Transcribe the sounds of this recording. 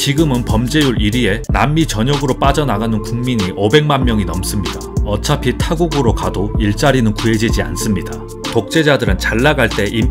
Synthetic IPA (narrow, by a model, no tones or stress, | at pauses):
t͡ɕiɡɯmɯnpʌmd͡ʑe̞juɾiɾie̞namːit͡ɕʌɲʌɡɯɾop͈ad͡ʑʌnaɡanɯnkuŋmiɲiʔobe̞ŋmanmjʌŋinʌms͈ɯmɲidaʌt͡ɕʰapʰitʰaɡuɡɯɾokadoiɭt͡ɕ͈aɾinɯnkuɦe̞d͡ʑid͡ʑia̰ns͈ɯmɲida | tok̚t͡ɕ͈e̞d͡ʑadɯɾɯnt͡ɕaɭːaɡaɭt͈e̞ʔi